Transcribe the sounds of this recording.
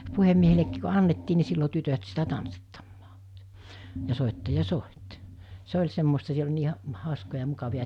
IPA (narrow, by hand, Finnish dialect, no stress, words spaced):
puhemːiehelekːiːk ko ɑnːetːiː ni silːo tytøt sitæ tɑnsːitːɑmːɑ̥ː jɑ soˑitːɑjɑ soˑit se olʲ semːostɑ siel olʲ niː hɑ hɑˑoskojɑ mukɑʋiɑ